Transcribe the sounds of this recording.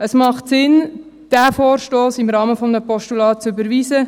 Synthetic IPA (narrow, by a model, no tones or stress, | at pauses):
əsmɑχtsɪn | d̥æfoːɾʃtoːsɪmɾɑːməfɔməpɔʃtulɑːt̚t͡sʏbəɾʋiːsə